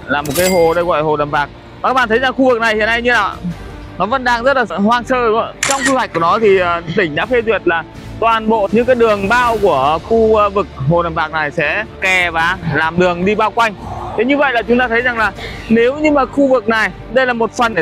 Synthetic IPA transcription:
laː˨˩mo˨˩t̚kaː˨˦jɦo˨˩ɗə˧jɣɔ̰˧˨ʔho˨˩nə˨˩mvaː˨˩k̚ | a˨˩kaː˦˥kɓaː˧˨t̪ʰə˨˦jza˨˩ŋxu˧vɨ˨˩k̚na˨˩jhḭ˧˨əna˧jɲɨ˧naː˨˩ | nɔ˨˦və̰˧˥nɗaː˧ŋzə˦˥t̚laː˨˩hwaː˧ŋsəː˧˦t͡ɕɔ˧wŋ͡msu˧wa˨˩k̟̚ku˧˩nɔ˨˦t̪ʰi˨˩˨t̪ï˧˩ŋ̟ɗa̰ː˧˥fe˧zwi˨˩ət̚laː˨˩ | t̪waː˨˩nɓo̰˧˨ɲɨ̰˧˥kaː˨˦jɗɨ˨˩əŋɓaː˧wku˧˩əxu˧vɨ˨˩k̚ho˨˩na˨˩mvaː˨˩k̚na˨˩jsɛ̰˧˥kɛ˨˩vaː˨˩laː˨˩mɗɨ˨˩əŋɗi˧ɓaː˧wkwa˧jŋ̟t̪ʰe˨˦ɲɨ˧və̰˧˨jlaː˨˩t͡ɕʊ˨˦ŋ͡mt̪aː˧t̪ʰə˨˦jza˨˩ŋlaː˨˩ne˨˦wɲɨ˧maː˨˩xu˧vɨ˨˩k̚na˨˩j | ɗə˧jlaː˨˩mo˨˩t̚fə˨˩n˩

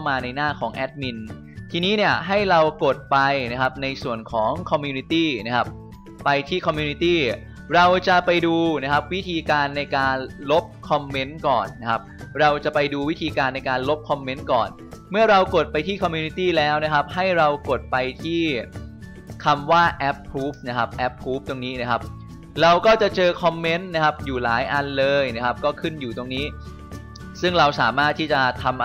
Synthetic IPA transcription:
wmaː˧na˧jnaː˥˩kʰɔː˩˦ŋʔɛ˦˥t̪̚mi˧n | t̪ʰiː˧niː˦˥ni˥˩ɐəɦa˥˩jɾa˧wko˨˩t̪̚pa˧jna˦˥kʰa˦˥p̚na˧jsu˨˩ənkʰɔː˩˦ŋkʰɔ˧mːjuː˧ni˧˥t̪iː˥˩na˦˥kʰa˦˥p̚ | pa˧jt̪ʰiː˥˩kʰɔ˧mjuː˧niː˧˥t̪iː˥˩ | ɾa˧wt͡ɕa˨˩pa˧jduː˧na˦˥kʰa˦˥p̚wi˦˥t̪ʰiː˧kaː˧nːa˧jkaː˧nlo˦˥p̚kʰɔ˧mːe˦˥nkɔː˨˩nːa˦˥kʰa˦˥p̚ɾa˧wt͡ɕa˨˩pa˧jduː˧wi˦˥t̪ʰiː˧kaː˧nːa˧jkaː˧nlo˦˥p̚kʰɔ˧mːe˦˥nkɔ̰ː˨˩n | mɯ˥˩ɐɾa˧wko˨˩t̪̚pa˧jt̪ʰiː˥˩kʰɔ˧mjuː˧ni˦˧˥t̪iː˥˩lɛː˦˥wna˦˥kʰa˦˥p̚ha˥˩jɾa˧wko˨˩t̪̚pa˧jt̪ʰiː˥˩ | kʰa˧mwaː˥˩ʔɛ˦˥pʰːuː˦˥p̚na˦˥kʰa˦˥p̚ʔɛ˦˥p̚ʰːuː˦˥p̚t̪o˧ŋniː˦˥na˦˥˩kʰa˦˥p̚ | ɾa˧wkɔː˥˩t͡ɕa˨˩t͡ɕɤː˧kʰɔ˧mːe˦˥nna˦˥kʰa˦˥p̚juː˨˩laː˩˦jʔa˧nlɤː˧jna˦˥kʰa˦˥p̚kɔː˥˩kʰɯ˥˩njuː˨˩t̪o˧ŋniː˦˥ | sɯ˥˩ŋɾa˧wsaː˩˦maː˥˩t̪ʰːiː˥˩t͡ɕa˨˩t̪ʰa˧mʔ

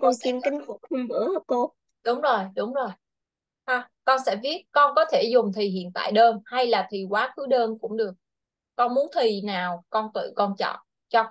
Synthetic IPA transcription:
kɔ˧nsi˧nkï˨˦ŋ̟hʊ˨˩k̚hi˧nɓɨ˧˥ə˧˦ko˧ | ɗʊ˨˦wŋ͡mzo˨˩jɗʊ˨˦ŋ͡mzo˨˩j | ʔa˧˩kɔ˧nsɛ̰˧˥vi˦˥ət̚kɔ˧nkɔ˨˦t̪ʰe˧˩zʊ˨˩ŋ͡mt̪ʰi˨˩hḭ˧˨ənt̪a̰ː˧˨jɗəː˧nha˧jlaː˨˩t̪ʰi˨˩kwaː˨˦kɨ˨˦ɗəː˧nkʊ̰˧˥ŋ͡mɗɨ˨˩ək̚ː | ɔ˧nmu˨˦ənt̪ʰi˨˩naː˨˩wkɔ˧nt̪ɨ̰˧˨kɔ˧nt͡ɕɔ̰˧˨n | t͡ɕɔ˧

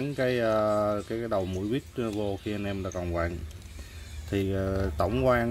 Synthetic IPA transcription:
nkaː˨˦jʔəː˧kaː˨˦jaː˨˦jɗə˨˩wmṵ˧˥əjɓi˦˥ət̚vo˧xi˧ʔa˧nʔɛ˧mɗa̰ː˧˥kɔ˨˩nkwa̰ː˧˨n | t̪ʰi˨˩˨t̪ə̰˧˩wŋ͡mkwaː˧

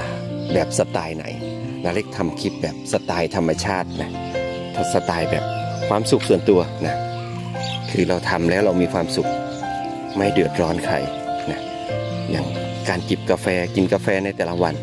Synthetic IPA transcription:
bɛː˨˩p̚sa˧t̪aː˧jna̰˩˦jla˧le˦˥˩k̚t̪ʰa˧mkʰi˦˥t̪̚bɛː˨˩p̚sa˧t̪aː˧jt̪ʰa˧mːa˧t͡ɕʰaː˥˩t̪̚na˦˥ | t̪ʰɔ˧˩sa˧t̪aː˧˩jbɛː˨˩p̚kʰwaː˧˩msu˨˩k̚su˨˩ənt̪u˧ɐna˦˥ | kʰɯː˧ɾa˧wt̪ʰa˧mlɛː˦˥wɾa˧wmiː˧kʰwaː˧msu˨˩k̚ | ma˥˩jdɯ˨˩ət̪̚ɾɔː˦˥nkʰa̰˨˩j | na˦˥ | ja̰ː˨˩ŋ | kaː˧nt͡ɕi˨˩p̚ka˧fɛː˧ki˧nka˧fɛː˧na˧˩jt̪ɛː˨˩la˦˧wa˧n

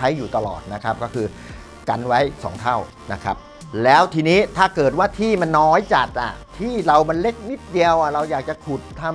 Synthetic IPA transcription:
a˦˥jːuː˨˩t̪a˧lɔ̰ː˨˩t̪̚na˦˥kʰa˦˥p̚kɔː˥˩kʰɯː˧ | ka̰˧nwa˦˥jsɔ̰ː˩˦ŋt̪ʰa˥˩w | na˦˥kʰɾa˦˥p̚ | lɛː˦˥wt̪ʰiː˧niː˦˥t̪ʰaː˥˩kɤː˨˩t̪̚waː˥˩t̪ʰiː˥˩ma˧nːɔː˦˥jt͡ɕa˨˩k̪̚ʔa̰˨˩t̪ʰiː˥˩ɾa˧wma˧nle˦˥k̚ni˦˥t̪̚di˧əwʔa˨˩ɾa˧wjaː˨˩k̚t͡ɕa˨˩kʰu˨˩t̪ʰːaː˥˩

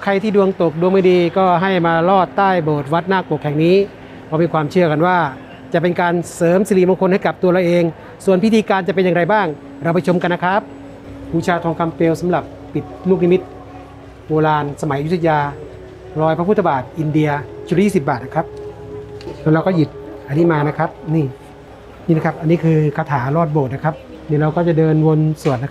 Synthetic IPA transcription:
kʰa˧jt̪ʰiː˥˩du˧əŋt̪o˨˩k̚du˧əŋma˥˩diː˧kɔː˥˩ɦa˥˩jmaː˧lɔː˥˩t̪ːaː˥˩jboː˨˩t̪̚wa˦˥t̪̚naː˥˩kpu˨˩əkʰːɛː˨˩ŋniː˦˥ | bɔː˧miː˧kʰwaː˧mt͡ɕʰɯ˥˩ɐka˧nwaː˥˩ | t͡ɕa˨˩pe˧nkaː˧nsɤː˨˦msi˧liː˧˩mɔ˧ŋkʰo˧nha˥˩jka˨˩p̚t̪u˧la˧wʔeː˧ŋ | su˨˩ənpʰi˦˥t̪ʰiː˧kaː˧nt͡ɕa˨˩p̬e˧njaː˧ŋɾa˧jbaː˥˩ŋ | ɾa˧wpa˧t͡ɕʰo˧mka˧nːa˦˥kʰɾa˦˥p̚ʰ | uː˧˩t͡ɕʰaː˧t̪ʰɔː˧ŋkʰa˧mpeː˧wsa˨˦mla˨˩pːi˨˩t̪̚luː˥˩k̚ni˦˧mi˦˥t̪̚ | woː˧laː˧nsa˧ma˨˦ja˧ju˥tsʰa˧˩jaː˧ | ɾɔː˧jpʰa˧˥pʰu˥˩a˧baː˨˩t̪̚ʔi˧ndi˧ɐt͡ɕʰu˦˥˦jiː˥˩si˨˩p̚baː˨˩t̪̚na˦˥kʰɾa˦˥p̚ | lɛ˧˥ɾa˧wkɔː˥˩ji˨˩t̪̚ʔa˧nːiː˦˥˩maː˧na˦˥kʰa˦˥p̚niː˥˩ | niː˥˩a˦˩kʰa˦˥p̚ʔa˧nːiː˦˥kʰɯː˧kʰaː˧t̪ʰaː˩˦ɾɔː˥˩t̪̚boː˨˩t̪̚na˦˥kʰa˦˥p̚ | niː˧˩ɾa˧wkɔː˥˩t͡ɕa˨˩dɤː˧nwo˧nsu˨˩ənːa˦kʰ

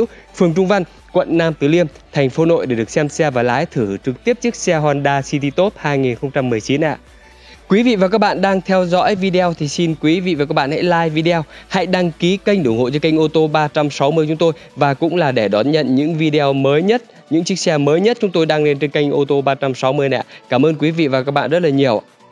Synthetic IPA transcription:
w | fɨ˨˩əŋt͡ɕʊ˧ŋ͡mva˧n | kwə̰˧˨nːaː˧mt̪ɨː˨˩li˧əmt̪ʰɛ˨˩jŋ̟fo˨˦no̰˧˨jɗe˧˩ɗɨ˨˩ək̚sɛ˧msɛ˧vaː˨˩laː˨˦jt̪ʰɨ˧˩t͡ɕɨ˨˩k̚t̪i˦˥əp̚t͡ɕək̚sɛ˧ɦwaː˧nɗaː˧si˧t̪i˧t̪o˦˥t̚haː˧jŋi˨˩nxə˧wŋ͡mt͡ɕa˧mːɨ˨˩əjt͡ɕi˨˦nʔa̰ː˧˨ | kwi˨˦vḭ˧˨vaː˨˩k̬aː˦˥k̚ɓa̰ː˧˨nɗaː˧ŋt̪ʰɛ˧wzɔ̰˧˥jvi˧ɗe˧ɛ˧wt̪ʰi˨˩si˧nkwi˨˦vḭ˧˨vaː˨˩kaː˦˥k̚ɓa̰ː˧˨ha̰˧˥jlaː˧jvi˧ɗe˧a˧wha̰˧˥jɗa˧ŋki˨˦ka˧jŋ̟ɗʊ˧˩ŋho̰˧˨jt͡ɕɔ˧ka˧jŋ̟ʔo˧t̪o˧ɓaː˧t͡ɕa˧msa˨˦wmɨ˧ət͡ɕʊ˨˦ŋ͡mt̪o˧j | vaː˨˩kʊ̰˧˥ŋ͡mlaː˨˩ɗe˧˩ɗɔ˨˦nɲə̰˧˨nɲɨ̰˧˥ŋvi˧ɗe˧ɔ˧məː˨˦jɲə˦˥t̚ | ɲɨ̰˧˥ŋt͡ɕɨ˦˥k̚sɛ˧məː˨˦jɲə˦˥t̚t͡ɕʊ˨˦ŋ͡mt̪o˧jɗaː˧ŋle˧nt͡ɕe˧nka˧jŋ̟ʔo˧t̪o˧ɓaː˧t͡ɕa˧msa˨˦wmɨ˧əjna̰˧˨kaː˧˩mʔəː˧nkwi˨˦vḭ˧˨vaː˨˩kaː˦˥k̚ɓa̰ː˧˨zə˦˥t̚laː˨˩ɲi˨˩əwʔa̰ː˧

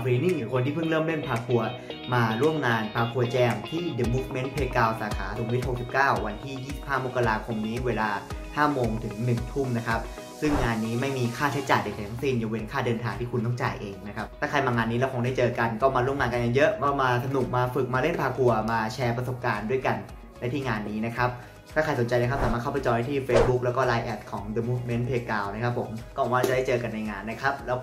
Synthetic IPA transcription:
pʰi˧˦ni˥˩ŋjuː˨˩˦kʰo˧nt̪ʰiː˥˩pʰɯ˥˩ŋlɤː˥˩˨mle˥˩npʰaː˧kʰu˧ɐmaː˧ɾu˥˩əmŋaː˧npʰaː˧kʰu˧ɐt͡ɕɛː˧ŋt̪ʰiː˥˩de˧˩muː˦˥k̚me˦˥npʰeː˦˥t̚kaː˧wsaː˩˦kʰa̰ː˩˦so˨˩˦wi˦˥t̪̚ho˨˩ksi˨˩p̚kaː˥˩wwa˧nt̪ʰiː˥˩jiː˥˩si˨˩p̚haː˥˩mo˦˥kːa˧laː˧kʰo˧mniː˦˥weː˧laː˧haː˥˩moː˧ŋt̪ʰɯ˩˦ŋnɯ˨˩ŋt̪ʰu˥˩mna˦˥kʰa˦˥p̚ | sɯ˥˩ŋːaː˧nːiː˦˥ma˥˩jmiː˧kʰaː˥˩t͡ɕʰa˦˥jt͡ɕaː˨˩jde˨˩t͡ɕa˨˩t̪ʰa˧˥ŋ˥si˧˥˩njoː˧we˧nkʰaː˥˩dɤː˧nt̪ʰaː˧ŋt̪ʰiː˥˩kʰu˧nt̪̬ɔ˥˩ŋt͡ɕa̰ː˨˩jʔeː˧ŋna˦˥kʰa˦˥p̚t̪ɛː˥˩kʰa˧jmaː˧ŋaː˧nːiː˦lɛː˦˥wkʰaː˧˦ŋdaː˥˩jt͡ɕɤː˧ka˧nkɔː˥˩maː˧ɾu˥˩əmŋaː˧nka˧nja˧ŋjɤ˦˥ʔmɔ˥˩maː˧sa˧nu˨˩k̚maː˧fɯ˨˩k̚maː˧le˥˩npʰaː˧kʰu˧ɐmaː˧t͡ɕʰɛː˧pɾa˧so˨˩p̚kaː˧ndu˥˩əjka˧n | da˥˩jt̪ʰiː˥˩ŋaː˧nːiː˦˥na˦˥kʰa˦˥p̚ | t̪ʰaː˥˩kʰa˧jso˩˦nt͡ɕa˧jn˧˦˥kʰa˥saː˨˦aː˥˩a˥˩pa˨˩jt͡ɕɔ˧ha˦˥jt̪ʰiː˥˩feː˦˥s̚bu˦˥k̚lɛː˦˥wkɔː˥˩laː˧jʔɛ˦˩t̪̚kʰɔː˩˦ŋde˧mu˦˥k̚me˦˥npʰeː˧kaː˧wna˦˥kʰa˦˥pʰːo˩˦mkɔː˥˩ɔ˨˧˦waː˥˩a˨˩da˥˩t͡ɕɤː˧ka˧nːa˧jŋaː˧nːa˦˥kʰa˦˥p̚lɛː˦˥w

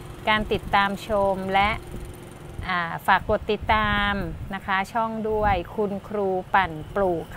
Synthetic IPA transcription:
kaː˧nt̪i˨˩t̪ːaː˧mt͡ɕʰo˧mlɛ˦˥ʔ | ʔaː˨˩faː˨˩kːo˨˩t̪ːi˨˩t̪ːaː˧mna˦˥kʰa˦˥t͡ɕʰɔ˥˩ŋdu˥˩əjkʰu˧nkʰɾuː˧pa˨˩npluː˨˩kʰ

